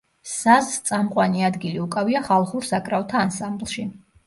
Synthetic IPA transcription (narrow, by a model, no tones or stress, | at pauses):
sazt̪sʼamqʼwaniad̪ɡiliukʼaviaχalˠχuɾsakʼɾavt̪ʰaːnsamblˠʃi